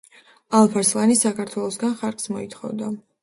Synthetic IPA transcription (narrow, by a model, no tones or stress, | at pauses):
alˠpʰaɾslˠanisakʰaɾt̪ʰwɛlˠɔsɡanχaɾkʼsmɔit̪ʰχɔ̰vd̪a